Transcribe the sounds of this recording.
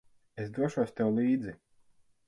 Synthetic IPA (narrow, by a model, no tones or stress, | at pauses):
esd̪uɔʃuɔsʲt̪ɛwlˠiːd̪zi